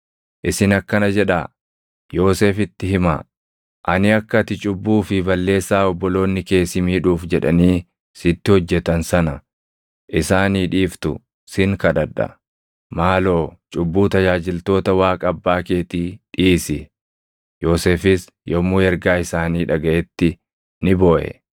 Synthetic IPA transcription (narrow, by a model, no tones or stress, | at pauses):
ʔɪsɪnɐkːɐnɐd͡ʒɛᶑaː | jo̞ːseːfɪt̪ːɪhɪma̰ː | ʔɐnɪɐkːɐt̪ɪt͡ʃʼʊbːuːfɪbɐlːe̞ːsːaːɔbːɔlo̞ːnːɪke̞ːsɪmiːᶑuːfd͡ʒɛᶑɐ̰niː | sɪt̪ːɪhɔd͡ʒːɛt̪ɐnsɐnɐ | ʔɪsaːniːᶑiːft̪ʊ̰ | sɪŋkɐᶑɐᶑːɐ̰ | maːlo̞ːt͡ʃʼʊbːuːt̪ɐd͡ʒaːd͡ʒɪlt̪o̞ːt̪ɐwaːkʼɐɐbːaːke̞ːt̪iːᶑiːsɪ | jo̞ːseːfɪs | jɔmuːɛɾɡaːɪsaːniːᶑɐɡɐʔɛt̪ːɪ | nɪboːʔɛ̰